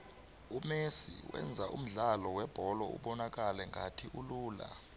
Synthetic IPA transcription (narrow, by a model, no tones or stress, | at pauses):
umesḭwʔɛ̰nd͡zʱaʔum̩ɮalɔwɛb̥ʱɔlɔṵɓɔnak̬alɛŋɡʱatʰiʔuluːla̰